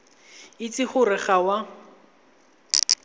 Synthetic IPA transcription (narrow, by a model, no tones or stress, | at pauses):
ɪt͡sʼɪχʊrɪχawa